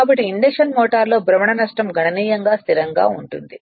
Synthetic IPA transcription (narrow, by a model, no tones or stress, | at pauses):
aːbɐʈːiːɳɖekʂɐnmɔːʈaːɾlo̞ːbɾɐmɐɳɐnɐʂʈɐmɡʱɐɳɐniːjɐŋɡaːst̪ʰiɾɐŋɡa̰ːuɳʈund̪i